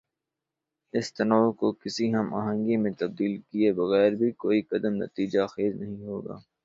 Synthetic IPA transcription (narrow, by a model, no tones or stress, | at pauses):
ɪst̪ɐnɔːkokɪsiɦɐma̰ːɦə̃ŋɡimẽt̪ɐb̚d̪iːlkiebɐɣɛːɾbʱikoːiqɐd̪əmnɐ̰t̪iːd͡ʒaxeːznɐɦĩɦoːɡa̰ː